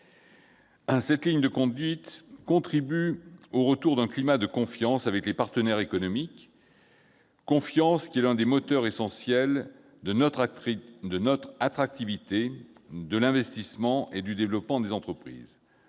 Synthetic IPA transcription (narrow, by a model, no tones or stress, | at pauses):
sɛt̪liɲd̪əkɔ̃d̪ɥit̪kɔ̃t̪χibyoʁət̪uʁd̪ɛ̃klimad̪əkɔ̃fjɑ̃savɛklepaʁt̪ənɛʁekɔnɔmik | ɔ̃fjɑ̃skʲiɛlɛ̃d̪emɔt̪œʁesɑ̃sjɛl | d̪ə | d̪ənɔt̪χat̪χak̚t̪ivit̪ed̪əlɛ̃vɛst̪ismɑ̃ʔed̪yd̪evlɔpmɑ̃d̪ezɑ̃t̪χəpχḭːz